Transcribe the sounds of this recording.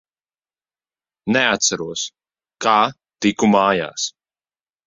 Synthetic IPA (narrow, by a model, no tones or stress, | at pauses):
nɛat̪t̪saɾuɔs | kaː | t̪ikumaːja̰ːs